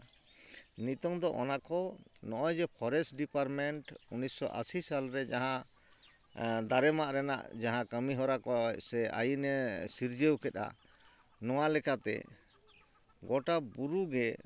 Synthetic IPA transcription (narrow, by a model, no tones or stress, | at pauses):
nit̪ɔŋd̪ɔʔɔnakɔnɔʔɔjd͡ʒɛpʰɔɾɛsɖipaɾmɛɳʈunisːɔ̰ʔa̰sisalɾɛd͡ʒaɦã | d̪aɾɛmaʔɾɛna̰ʔd͡ʒaɦãkəmiɦɔɾakɔsɛa̰jinɛsiɾd͡ʒəwkɛt̪a̰ | nɔw̃alɛkat̪ɛ̰ | ɡɔʈabuɾuɡɛ